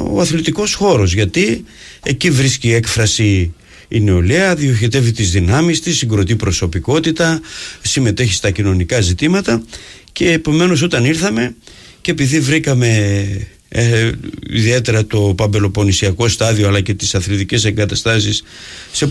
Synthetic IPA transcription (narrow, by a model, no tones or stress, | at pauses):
o̰ɐθlit̪iko̞sxo̞ɾo̞zʝɐt̪i | e̞civɾisciekfɾɐsiː | neo̞liɐðio̞çit̪e̞vit̪izðinɐmist̪isiɡɾo̞t̪ipɾo̞so̞piko̞t̪it̪ɐsime̞t̪e̞çi̥st̪ɐcino̞nikɐzit̪imɐt̪ɐ | ce̞ːpo̞me̞no̞s̬o̞t̪ɐniɾθɐme̞ | cepiðivɾikɐme̞ | ḭðie̞t̪e̞ɾɐt̪o̞pɐmbe̞lo̞po̞nisiɐko̞st̪ɐðioɐlɐce̞t̪i̥sɐθlit̪ice̞seŋɡɐt̪ɐst̪ɐsis | se̞